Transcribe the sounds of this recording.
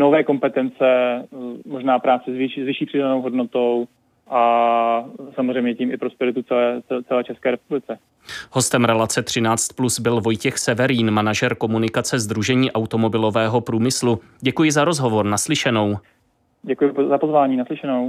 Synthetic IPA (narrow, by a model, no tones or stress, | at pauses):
novɛːko̞mpɛt̪ɛnt͡sɛ | moʒnaːpɾaːt͡sɛzvɪʃizvɪʃiːpr̝̥ɪdanowɦodnot̪ow | ʔa | samozrɛjmɲɛciːmɪpɾospɛɾɪt̪ut͡sɛlɛːɛt͡sɛlɛːt͡ʃɛskɛːɾɛpublɪt͡sɛ | hɦo̞st̪ɛmɾɛlat͡sɛt̪r̝̥ɪnaːt͡st̪̚plusbɪlvo̞jcɛxsɛvɛɾiːnmanaʒɛɾko̞munɪkat͡sɛzd̪ɾuʒɛɲiːʔawt̪o̞mo̞bɪlo̞vɛːɦo̞pɾuːmɪslu | ɟɛkujɪzaɾo̞zɦo̞vo̞ɾnaslɪʃɛno̞w | ɟɛkujɪzapozvaːɲiːnaslɪʃɛnow